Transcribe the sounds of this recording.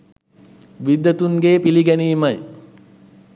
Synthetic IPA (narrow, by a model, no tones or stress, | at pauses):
ʋid̪ːət̪uŋɡeːpiliɡɛniːmɐj